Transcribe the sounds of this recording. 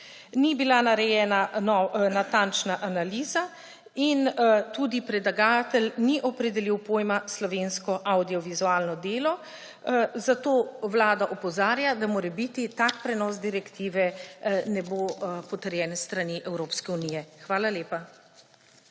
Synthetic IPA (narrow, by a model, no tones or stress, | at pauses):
nibilanaɾɛjɛːnanɔnat̪ant͡ʃnaʔanaliːza | int̪uːd̪ipɾɛd̪laɡaːt̪ɛlniʔɔpɾɛd̪ɛliwpoːjmaslɔʋenskɔʔawd̪iɔʋizuaːlnɔd̪eːlɔ | zat̪oːwlaːd̪aʔɔpɔzaːɾjad̪amoːɾɛbit̪it̪akpɾɛnɔsd̪iɾɛkt̪iːʋɛnɛboːpɔt̪əɾjɛːnɛst̪ɾaniʔɛwɾoːpskɛuniːjɛxʋaːlaleːpa